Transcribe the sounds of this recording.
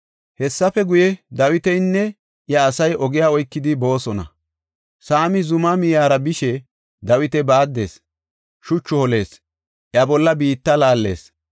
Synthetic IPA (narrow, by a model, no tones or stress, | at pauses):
hɛsːɐfɛɡʊjɛd̪ɐwɪt̪ɛjnːɛ | ʔjɐːsɐjʔɔɡɪjaːɔjkːɪd̪ɪbo̞ːsɔnɐ̰ | saːmɪzʊmɐmɪjaːɾɐbɪʃɛ | d̪ɐwɪt̪ɛbaːd̪ːe̞̰ːs | ʃʊt͡ʃːʊhɔle̞ːs | ʔjɐbɔlːɐbiːt̪ːɐlaːlːe̞̰ːs